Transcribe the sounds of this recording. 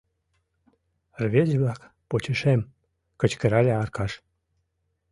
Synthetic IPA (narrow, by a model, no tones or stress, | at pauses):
rβʲed͡ʑβlɑk | pot͡ɕəʃem | kə̆t͡ɕkəɾɑlʲeɑrkɑʃ